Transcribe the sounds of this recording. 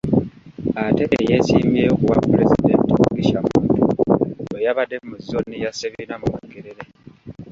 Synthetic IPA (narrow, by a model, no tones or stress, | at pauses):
ate̞ʔːjesimjeːjokuwapːuɾezid̪e̞ntouɡiʃamuntuojaβadːemuzːonijaseβiinamumekːeɾeɾe